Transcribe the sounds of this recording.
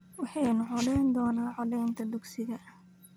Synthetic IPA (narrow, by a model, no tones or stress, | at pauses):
wɑħɑjnʊʕʊlɛjnd̪ɔːnaːʕɔlɛjnt̪ʰɐd̪ʊɡsɪɣɐ